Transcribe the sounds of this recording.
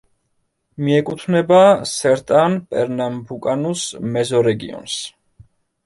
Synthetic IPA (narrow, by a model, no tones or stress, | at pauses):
miɛkʼut̪ʰvnɛbasɛɾt̪ʼanpʼɛ̰ɾnambukʼanusmɛzɔɾɛɡḭɔ̰ns